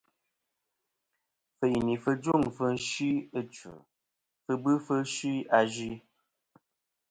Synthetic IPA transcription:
fə˨jni˨fə˦d͡ʒu˦˨ŋfə˦ʃi˦ə˦t͡ʃə̰˨ | fə˧bɨ˦fə˦ʃi˦a˧d͡ʒi˦

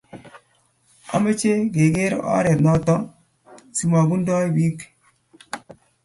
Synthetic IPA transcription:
a̰˦ma˦t͡ʃe˦ɡe˨ɡe˦ɾ̰ʔa̰˦ɾe˨tna˨tɔ˦ŋ | si˦ma˨ɡu˦n˦dɔ˦i˦bi˦k

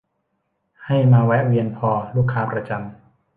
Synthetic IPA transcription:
ha˥˩jmaː˧wɛ˦˥wi˧ənpʰɔː˧luː˥˩kʰːaː˦˥pʰɾa˧t͡ɕa˧m

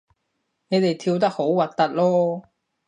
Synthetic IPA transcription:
ne˨˧jt̪e˨jt̪ʰiː˧wt̪̬ɐ˥k̚ho˨˥wwɐ˨˩t̚t̪ɐ˥t̚lɔː˥

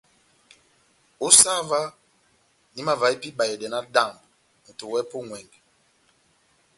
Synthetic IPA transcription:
o˦sa˦va˦ | ni˨˦ma˦va˨i˦pi˦ba˨jɛ˨dɛ˨na˦da˦˨mb | n̩˨to˨wɛ˦po˦ŋwɛ˨ŋɡ

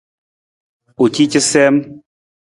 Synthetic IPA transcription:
u˨t͡ʃi˦t͡ʃi˦sɛ˦m

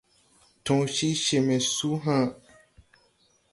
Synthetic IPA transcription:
tɔ̃˨ʃi˦ʃe˨mɛ˨su˦ɦã˦˨

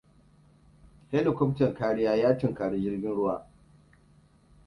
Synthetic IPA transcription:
he˦dʊ˨kʷʊ˦btɐ˨ŋkaː˦ɽɪ˦jaː˦jaː˦tɪ˨ŋkaː˨ɽe˦d͡ʒɪ˦rɡʲɪ˦nɽʊ˦waː˨

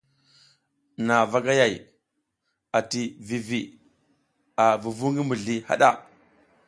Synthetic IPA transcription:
na˨va˦ɡa˦ja˨j | a˨ti˨vi˨vi˨ | a˨vu˨vu˦ŋɡi˦mu˨ɮi˦ha̰˦ɗa˦˨

